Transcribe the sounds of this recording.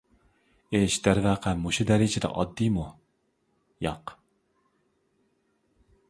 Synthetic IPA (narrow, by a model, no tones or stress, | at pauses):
eʃd̪̥æɾvæːqʰæmuʃud̪æɾɪd͡ʒɪd̪ɛ̰ʔɑd̪ːijmu | jɑq